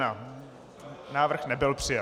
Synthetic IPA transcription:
a | naːvr̩xnɛbɪlpr̥ɪja

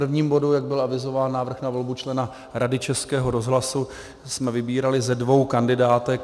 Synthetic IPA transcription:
r̩vɲiːmbo̞dujaɡ̚bɪlavɪzo̞vaːnːaːvr̩xnavolbut͡ʃlɛna | ɾadɪt͡ʃɛskɛːɦo̞ɾo̞zɦlasu | smɛvɪbiːɾalɪzɛdvo̞wkandɪdaːt̪ɛk

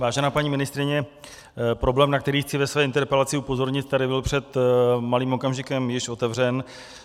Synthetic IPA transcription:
vaːʒɛnaːpaɲiːmɪnɪst̪ɾɪɲɛ | pɾo̞blɛːmnakt̪ɛɾiːxt͡sɪvɛsvɛːɪnt̪ɛɾpɛlat͡sɪupo̞zo̞ɾɲɪt̪̚t̪adɪbɪlpr̝̥ɛt̪maliːmo̞kamʒɪkɛmjɪʃo̞t̪ɛvr̝ɛn

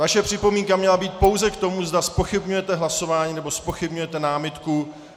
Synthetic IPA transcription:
vaʃɛpr̝̥ɪpo̞miːŋkamɲɛlabiːt̪̚po̞wzɛkt̪o̞muzd̪aspo̞xɪbɲujɛt̪ɛɦlaso̞vaːɲiːnɛbo̞spo̞xɪbɲujɛt̪ɛnaːmɪt̪ku

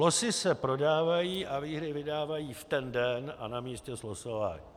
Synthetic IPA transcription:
lo̞sɪsɛpɾo̞daːvajiːʔaviːɦɾɪvɪdaːvajiːft̪ɛndɛnanamiːscɛzlosova̰

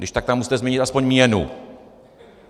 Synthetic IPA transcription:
dɪʃt̪ak̚t̪amusi̥t̪ɛzmɲɛɲɪt̪aspo̞ɲmijɛnṵ

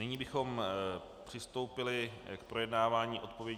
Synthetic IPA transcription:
nɪɲiːbɪxo̞m | pr̥ɪst̪o̞wpɪlɪkpɾo̞jɛdnaːvaːɲiːʔo̞t̪̚po̞vjɛ

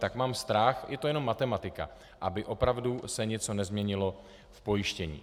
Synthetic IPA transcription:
t̪akmaːmst̪ɾaxjɛt̪ojɛno̞mːat̪ɛmat̪ɪka̰ | ʔabɪʔo̞pɾavdusɛɲɛt͡so̞nɛzmɲɛɲɪlo̞ | fpo̞jɪʃcɛɲḭː

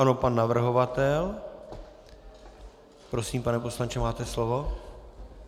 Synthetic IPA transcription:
ano̞panːavr̩ɦo̞vat̪ɛl | pɾo̞siːmpanɛpo̞slaɲt͡ʃɛmaːt̪ɛslovo

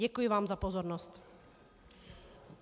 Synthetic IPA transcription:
ɛkujɪvaːmzapozoɾnost̪

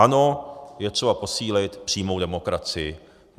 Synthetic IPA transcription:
ano̞jɛt̪r̥ɛbapo̞siːlɪt̪pr̥iːmo̞wdɛmokɾat͡sɪjɪ

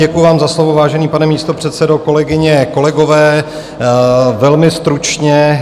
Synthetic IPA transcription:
ɛkujʊvaːmzaslovovaːʒɛniːpanɛmiːst̪o̞pr̝̥ɛt̪sɛdo̞ko̞lɛɡɪɲɛko̞lɛɡo̞vɛː | vɛlmɪst̪ɾut͡ʃɲɛ

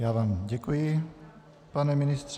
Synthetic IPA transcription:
jaːvaːmɟɛkujɪ | panɛmɪnɪst̪r̥

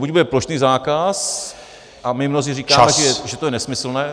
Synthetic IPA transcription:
buɟ̚budɛplo̞ʃniːzaːkas | ʔamɪmnozɪriːkaaːmɛʒɛʒɛt̪ojɛnɛsmɪsl̩nɛː

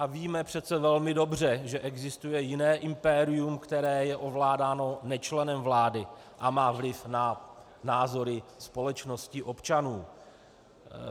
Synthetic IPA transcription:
ʔaviːmɛpr̝̥ɛt̪t͡sɛvɛlmɪdo̞br̝ɛʒɛʔɛɡzɪst̪ujɛjɪnɛːʔɪmpɛɾɪjumkt̪ɛɾɛːjɛʔo̞vlaːdaːno̞nɛt͡ʃlɛnɛmvlaːdɪ | ʔamaːvlɪfna | naːzo̞ɾɪspo̞lɛt͡ʃno̞scɪʔo̞pt͡ʃanuː

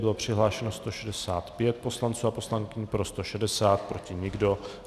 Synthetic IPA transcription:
bɪlo̞pr̝̥ɪɦlaːʃɛnost̪o̞ʃɛdɛsaːt̪pjɛt̪̚po̞slant͡suːapo̞slaŋkɪɲpɾo̞st̪o̞ʃɛdɛsaːt̪̚pɾo̞cɪɲɪɡdo̞

